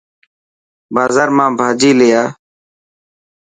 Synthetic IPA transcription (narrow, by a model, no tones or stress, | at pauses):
baːzaːɾmãːbʱaːd͡ʒiːlejaː